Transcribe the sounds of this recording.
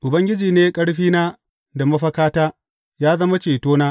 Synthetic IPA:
ʔʊ˨bɐ˦ŋɡʲɪ˦d͡ʒiː˨neː˦kʼɐ˦ɽɸiː˦naː˦ | da˨mɐ˦ɸɐ˦kaː˦taː˦ | jaː˦zɐ˦ma˦t͡ʃeː˨toː˦naː˦

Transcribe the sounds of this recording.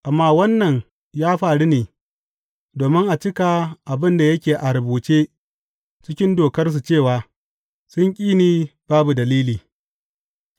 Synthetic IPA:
ʔa˨mːaː˦wɐ˦nːɐ˨ŋ | jaː˦ɸaː˨ɽi˦neː˨ | doː˨mɪ˦ŋʔa˨t͡ʃɪ˦ka˨ʔa˨bɪ˦nda˨jɐ˦kʲeː˨ʔa˨ɾɐ˨buː˨t͡ʃeː˦ | t͡ʃɪ˦kʲɪ˦ndoː˨kɐ˦rs̬u˨t͡ʃeː˦˨waː˨ | sʊ˦ŋkʲʼiː˦niː˨b̥aː˦bu˨dɐ˨liː˦liː˨

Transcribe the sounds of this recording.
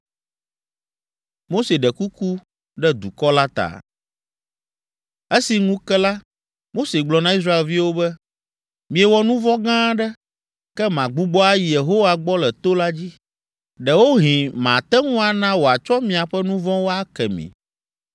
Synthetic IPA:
mo˦se˨ɖɛ˨ku˦ku˦ | ɖɛ˦d̪u˨kɔ˦la˦t̪a̰˨ | ɛ˦si˨ŋũ˦kɛ˦la˦ | mo˦se˨ɡ͡blɔ˨nã˦i˦s̬ɾa˦e˨lvi˦wo˦bɛ˦ | mĩ˨ɛ˨wɔ˦nũ˦vɔ̃˦ɡã˦ɖɛ˦ | kɛ˦mã˨ɡ͡bu˦ɡ͡bɔ˦a˦ji˨je˨ɦo˦wa˨ɡ͡bɔ˦lɛ˨t̪o˦la˦d͡ʑi˦ | ɖɛ˨wo˦ɦĩ˨mã˨t̪ɛ˦ŋũ˦a˨nã˦wo˨a˨t͡ʃɔ˦mĩ˨a˨ɸɛ˦nũ˦vɔ̃˦wo˦a˦kɛ̰˨mḭ̃˨

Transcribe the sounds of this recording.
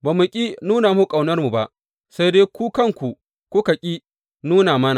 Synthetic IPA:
baː˨mu˨kʲʼi˦nuː˦naː˨mu˦kʼa˨wnɐ˦rmu˨ba˦ʔ | sa˦jdeː˦kʷu˦kɐ˦˨ŋkʷu˨ | kʷu˦kɐ˨kʲʼi˦ | nuː˦naː˨mɐ˦na˨

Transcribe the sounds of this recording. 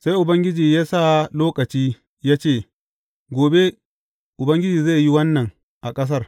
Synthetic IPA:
sa˦jʔʊ˨bɐ˦ŋɡʲɪ˦d͡ʒiː˨jaː˦sa˦loː˦kɐ˨t͡ʃiː˦ | jaː˦t͡ʃeː˦˨ | ɡʷoː˨be˦ | ʔʊ˨bɐ˦ŋɡʲɪ˦d͡ʒiː˨za˦˨ji˦wɐ˦nːɐ˨ŋ | ʔa˨kʼɐ˦s̬ɐ˦r

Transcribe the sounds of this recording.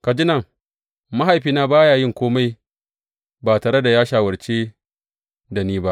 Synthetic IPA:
ka˨d͡ʒɪ˦nɐ˦˨ŋ | ma˦ɦa˨jɸiː˨naː˦baː˦jaː˨jɪ˦ŋkʷoː˦ma˦j | baː˨taː˨ɽe˦da˨jaː˦ʃaː˨wɐ˨ɾt͡ʃeː˦ | da˨niː˦ba˦ʔ

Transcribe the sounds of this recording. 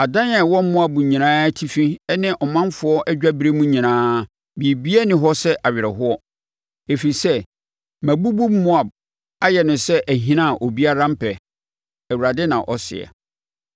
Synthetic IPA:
a˨dã˦nɛ˨wɔ̃˦m˦mʊ̃˦a˨bʊ̃˨ɲĩ˨nãː˦tʰi˦fĩ˦ɛ˦nɪ̃˦ʔɔ˨mã˦nfʊ˦ɔ˦ʔɛ˦d͡ʑᶣa˦bi˦ɾe˦mũ˦ɲĩ˨nãː˦ | bi˨e˨bi˦ɛ˦nɪ̃˦ɦɔ˦sɛ˦ʔa˨ɥɪ˨ɾɛ̰˨ɦʊ˦ɔ˦ | e˨fi˨i˨sɛ˦ | mæ̃˨bu˦bu˦mːʊ̃˦a˨b̚ | a˦jɛ˨nʊ̃˨sɛ˦ʔæ˨ɦĩ˦nã˦˨ʔo˨bi˦a˦ɾã˦m̩˦pʰɛ˨ | æ˨wu˨ɾa˨dɪ˦nã˨ʔɔ˦sɪ̰˨ɛ̰˨

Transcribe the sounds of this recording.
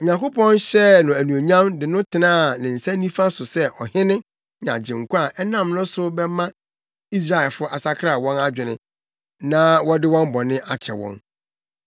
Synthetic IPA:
ɔ˨ɲã˨ŋko˦pʰɔ̃˦nɕɛ˦nʊ̃˨æ˨nũ˨o˨ɲã˦mdɪ˨nʊ̃˦tʰɪ˨nãː˦˨nɪ̃˨n̩˨sa˦nĩ˦fa˦sʊ˨sɛ˦ʔɔ˨hɪ˦nɪ̃˦ | n˨ã̰˨d͡ʑɪ̃˨ŋ̩˨kʷu˦a˨ʔɛ˦nã˦˨mnʊ̃˦sʊ˦bɛ˦mã˦ | i˦s̬ɾa˦˨ɛ˨lfʊ˦ʔa˨sa˦kʰɾa˨wɔ̃˦na˦d͡ʑᶣɪ˨nɪ̃˦ | nã˦wɔ̃˦dɪ˦wɔ̃˦m˦bɔ˨nɪ̃˦ʔa˦t͡ɕʰɛ̰˨wɔ̰̃˦n

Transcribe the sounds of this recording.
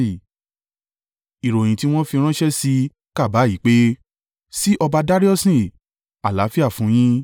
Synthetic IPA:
i˨ | i˨ɾo˨j̃ĩ˨ti˦w̃ɔ̃˦fi˧ɾ̃ã˦ʃɛ˦si˧ | ka˦˨ba˨˦i˨˦k͡pe˦ | si˦ʔɔ˧ba˧da˦ɾi˦ɔ˦sĩ˦˨ | a˨la˨˦fi˦a˦˨fũ˨˦j̃ĩ˦

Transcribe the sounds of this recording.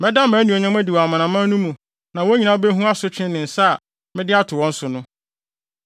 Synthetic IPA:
mɛ˦da˦mæ̃˨˦nĩ˨ɔ˨ɲã˦mæ̃˦di˨wɔ˨a˨mã˨nã˨mã˦nũ˦mũ˨ | nã˨wo˦ɲĩ˨nã˦be˦ɦũ˦a˦sʊ˦t͡ɕʰᶣɪ̃˦nɪ̃˨n̩˨sa˦˨ | mɪ̃˦dɪ˦a˦tʰʊ˨wɔ̃˦n̩˦sʊ˨nʊ̃˦

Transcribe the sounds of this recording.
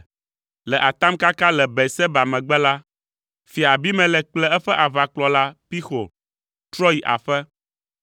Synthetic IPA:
lɛ˨ʔa˨t̪a˦mka˦ka˦lɛ˨bɛ˨sɛ˦ba˨mɛ̃˨ɡ͡bɛ˦la˦ | fi˨a˨bi˦mɛ̃˨lɛ˨k͡plɛ˦ɛ˦ɸɛ˦ʔa˨va˨k͡plɔ˨la˦pi˦xo˨ | t̪ɾɔ˦ji˨ʔa̰˨ɸɛ˦

